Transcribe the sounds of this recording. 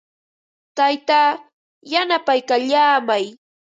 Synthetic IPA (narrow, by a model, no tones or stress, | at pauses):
t̪ajt̪aː | janapajkaʎaːmaj